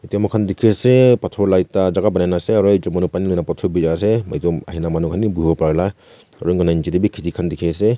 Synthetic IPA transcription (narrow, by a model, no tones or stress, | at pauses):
itiamɔkʰandikʰesepatʰɔɾlajtazaɡabanajnaseaɾɔjd͡ʒɔmanupanilɔjnapatʰɔɾbizas̬emajduma̰ɦinamanukʰanibuɔpaɾla | aɾɔjŋɡɔnajnd͡ʒidebikʰitikʰandikʰese